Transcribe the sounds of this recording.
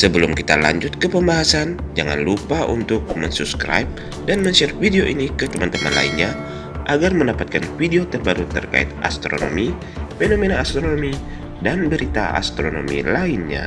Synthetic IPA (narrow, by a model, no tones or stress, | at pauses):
səbəlʊmkit̪ala̰ɲd͡ʒʊt̪̚kəpəmbaɦasand͡ʒaŋa̰nlupaʔṵnt̪ʊk̚məɲsupskɾa̰ip̚ | danməɲsɛɾ̚fideoʔinikət̪əmant̪əma̰nla̰ḭnɲa | ʔaɡarməndapat̪̚kanfideot̪ərbaɾut̪ərka̰ɪ̰t̪̚ʔa̰st̪ɾo̰no̰mi | fenomenaːst̪ɾonomi | danbəɾit̪a̰a̰st̪ɾono̰mḭlaɪnɲa̰